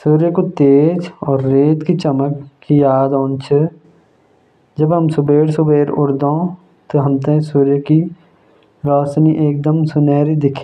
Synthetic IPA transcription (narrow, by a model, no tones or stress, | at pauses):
suːɾjəkot̪eːd͡ʒɔːɾːeːt̪kit͡ʃɐməkː | ijaːd̪õːnt͡ʃʰə | d͡ʒəbɦɐmsʊbeːɽsubeːɾʊɾd̪õː | t̪oɦɐmt̪ẽsuːɾjəki | ɾɔːsniʔeːk̚d̪əmsʊnɛːɾid̪ɪkʰe